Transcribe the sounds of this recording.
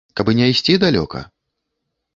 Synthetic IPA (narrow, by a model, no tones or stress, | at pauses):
kabɨnʲɛjsʲt͡sʲid̪alʲɔ̰kɐ̰